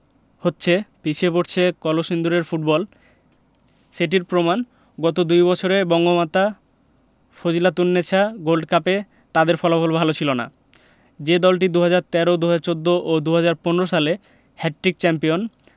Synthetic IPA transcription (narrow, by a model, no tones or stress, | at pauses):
hotːɕʰepit͡ɕʰepoʈt͡ɕʰekɔloʃind̪uɾeɾfuʈ̚bɔl | ʃeʈ̬iɾpɾoman | ɡɔt̪̬od̪ujβɔt͡ɕʰoɾebɔŋɡomat̪a | fod͡ʑilat̪unːet͡ɕʰaɡolɖkape | t̪ad̪eɾfʰɔlabɔlbʱalot͡ɕʰilona̰ | d͡ʑed̪ɔlʈ̬id̪uɦad͡ʑaɾt̪ɛɾod̪uɦad͡ʑaɾt͡ɕod̪ːoʔod̪uɦad͡ʑaɾponeɾoʃale | hɛʈ̚ʈːɾik̚t͡ɕɛmpion